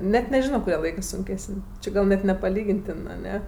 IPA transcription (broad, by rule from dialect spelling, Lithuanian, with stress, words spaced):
ˈnʲɛt nʲɛˈʒʲɪnoː kʊˈrʲiɛ ˈlˠɐɪkɜ ˈsʊŋʲˈkʲæːsənʲ ˈt͡ʃʲɪ ɡɐlˠ nʲɛt nʲɛpɐˈlʲiːɡʲɪnʲtʲɪn ɐˈnʲɛ